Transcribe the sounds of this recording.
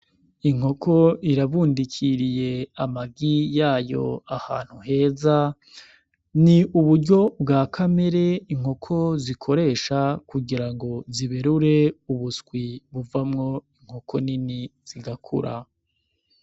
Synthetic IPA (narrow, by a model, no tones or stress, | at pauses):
iŋo̞kʰo̞iɾaβuːndikʰiɾije̞amaɡijaːjo̞̰aha̰ːn̥huɦe̞ːza | niʔuβuɾɟo̞bɡaːkʰame̞ɾe̞iŋ̥ho̞kʰo̞zikʰo̞ɾe̞ːʃakuɡiɾaŋɡo̞ziβeɾuɾe̞uβusɡwiβuvamŋo̞iŋ̥ho̞kʰo̞niniz̥iɡakʰṵɾa̰